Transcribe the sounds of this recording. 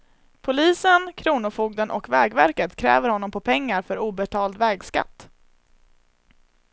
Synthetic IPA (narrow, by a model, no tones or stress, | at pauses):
pʰʊliːsənkʰɾuːnʊfuːɡ̚d̪ənʔɔ̰kvɛːɡvæɾkət̪kʰɾɛ̰ːvəɾhɔnːɔmpʰɔpʰɛŋːaɾfœɾuːbɛt̪ʰɑːlt̪vɛːɡska̰t̪ː